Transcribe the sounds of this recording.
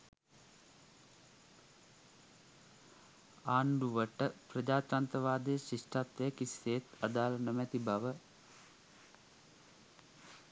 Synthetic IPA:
aːɳɖuʋəʈəpɾɐd͡ʒaːt̪ɾaːnt̪ɐʋaːd̪eːʃiʂʈat̪ʋejɐkiseːt̪ɐd̪aːlɐnəmɛt̪ibɐʋə

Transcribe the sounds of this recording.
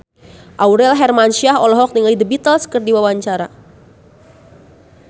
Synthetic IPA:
ʔawɾɛlɦɛrmanʃiaɦɔlɔɦɔk̚niŋlidəbit̪əlskərdiwawaɲt͡ʃaɾa

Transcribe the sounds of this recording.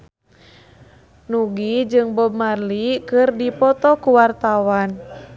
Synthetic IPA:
nuɡid͡ʒɨŋbɔbmarlikɨrdipɔt̪ɔkuwart̪awan

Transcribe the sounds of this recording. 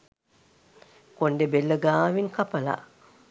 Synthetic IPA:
koɳɖebelːəɡaːʋiŋkapɐla̰

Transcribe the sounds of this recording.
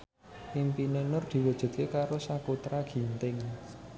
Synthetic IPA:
impinenʊrd̪̥i̤wəd̥ʒ̥ə̤d̪̚kekaɾosakut̪ɾaɡ̥i̤nt̪ɪŋ

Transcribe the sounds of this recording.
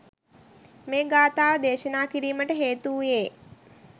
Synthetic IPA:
meːɡaːt̪aːʋəd̪eːʃənaːkiɾiːməʈəɦeːt̪uːjeː

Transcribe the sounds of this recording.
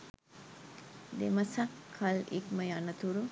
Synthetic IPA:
d̪emɐsakʰːɐlḭkmɐjanɐt̪uɾu

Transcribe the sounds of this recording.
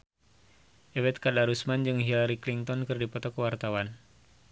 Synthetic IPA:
ʔɛwɛt̪̚kadaɾusmand͡ʒɨŋɦilaɾikliŋt̪ɔnkɨrdipɔt̪ɔkəwart̪awan

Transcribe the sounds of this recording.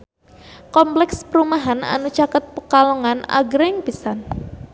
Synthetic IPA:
kɔmplɛkspəɾumaɦana̰nut͡ʃakət̪̚pəkalɔŋana̰ɡɾɛŋpisan

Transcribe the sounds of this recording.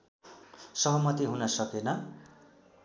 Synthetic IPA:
sʌɦʌmʌt̪iɦunʌsʌkenʌ

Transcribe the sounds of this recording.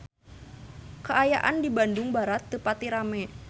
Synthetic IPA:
kəajaʔa̰ndibandʊŋbaɾat̪ːəpat̪iɾamɛ

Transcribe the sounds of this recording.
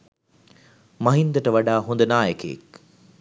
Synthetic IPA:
mɐɦind̪əʈəʋaɖaːɦund̪ənaːjəkḛḛk

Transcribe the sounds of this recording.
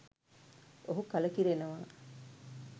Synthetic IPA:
oɦukaləkiɾenəʋaː

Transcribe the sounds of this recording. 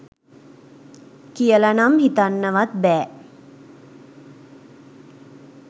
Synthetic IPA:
kijəlanamhit̪anːəʋat̪̚bɛː

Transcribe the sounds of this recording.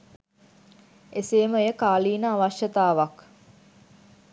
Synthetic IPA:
eseːməojəkaːliːnəaʋɐʃjət̪aːʋɐk

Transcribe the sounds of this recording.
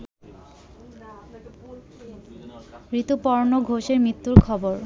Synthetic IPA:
ɾit̪upɔɾnoɡʱoʃeɾmit̪ːuɾkʰɔboɾ

